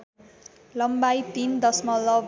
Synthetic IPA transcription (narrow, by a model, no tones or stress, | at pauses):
lʌmbajt̪ind̪ʌsmʌlʌ